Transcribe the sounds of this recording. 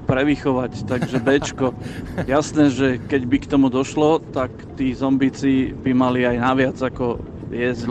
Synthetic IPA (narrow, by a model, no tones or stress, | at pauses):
pɾɛʋixɔʋact̪aɡʒɛbɛt͡ʃkɔjasnɛːʒɛkɛɟbikt̪ɔmud̪ɔʃlɔt̪akt̪iːzɔmbit͡sibimaliajnaʋɪad͡zakɔ | jɛz